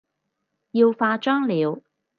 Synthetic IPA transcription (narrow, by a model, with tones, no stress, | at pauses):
jiː˧wfaː˧t͡ʃœː˥ŋliː˨˧w